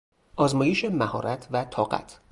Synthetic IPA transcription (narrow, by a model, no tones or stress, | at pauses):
ʔɒːzmɒːjeʃemæhɒ̰ːɾʔæt̪ʰvæt̪ʰɒːɢæ̰t̪ʰ